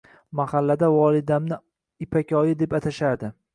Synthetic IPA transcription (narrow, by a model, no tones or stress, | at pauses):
mahalːad̪avɒlˠɪd̪amnɪ | ɪpʰakʲɒjɪd̪e̞pat̪ʰaʃaɾd̪ɪ